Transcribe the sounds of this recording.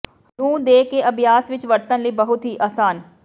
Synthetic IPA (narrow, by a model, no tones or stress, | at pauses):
nũːd̪eːkeʔəbjaːsʋɪt͡ʃʋəɾt̪ənliːbəɦʊt̪ɦiːʔaːsaːn